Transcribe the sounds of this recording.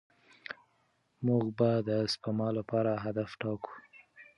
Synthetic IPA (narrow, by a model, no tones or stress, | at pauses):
muɡbad̪əːspamɑlapɑɾaɦad̪afʈɑku̥